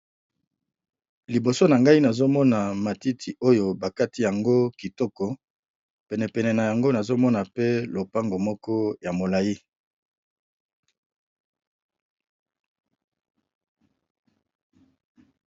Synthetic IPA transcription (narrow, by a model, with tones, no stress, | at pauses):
li˨bo˨so˦na˨ŋɡa˦i˦na˨zo˦mɔ˦na˨ma˨ti˦tʰi˨ʔo˦jo˨ba˨ka˦ti˦ja˨ŋɡo˦ki˨tɔ˦kɔ˨ | pɛ˨nɛ˨pɛ˨nɛ˨na˨ja˨ŋɡo˦na˨zo˦mɔ˦na˨pe˦lo˨pa˦ŋɡo˨mɔ˦kɔ˦ja˨mo˨la˨ji˦